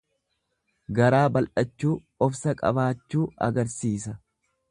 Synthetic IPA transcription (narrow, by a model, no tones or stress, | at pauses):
ɡɐɾaːbɐlʔɐt͡ʃːuː | ɔfsɐkʼɐ̰baːt͡ʃːuːɐ̰ɡɐɾsiːsɐ